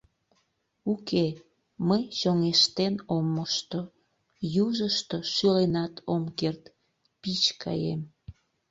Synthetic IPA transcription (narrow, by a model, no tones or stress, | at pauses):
uke | məjʃoŋeʃt̪enomːəʃt̪o | juʒəʃt̪oʃylenɑt̪ʰomkert̪ | pit͡ɕkʰɑ̰jem